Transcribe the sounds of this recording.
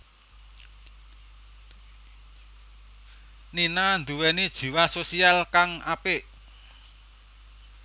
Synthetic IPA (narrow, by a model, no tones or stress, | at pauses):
ninand̪uwɛnid̥ʒ̥i̤wasosialkaŋapɪʔ